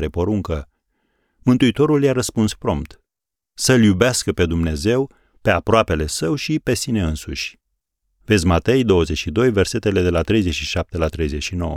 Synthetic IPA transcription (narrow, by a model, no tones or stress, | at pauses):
ɾe̞poɾuŋkə | mɨnt̪uit̪o̞ɾuljaɾəspunspɾo̞mpt̪ | səljubeaskəpe̞d̪umne̞ze̞w | pe̞apɾoape̞le̞səwʃipe̞sine̞ɨnsṵʃʲ | ve̞t̪zʲmat̪e̞jd̪o̞wəzet͡ʃʃid̪o̞jve̞rse̞t̪e̞le̞d̪e̞lat̪ɾe̞jze̞t͡ʃʃiʃap̚t̪e̞lat̪ɾe̞jze̞ʃino̞̰wə̰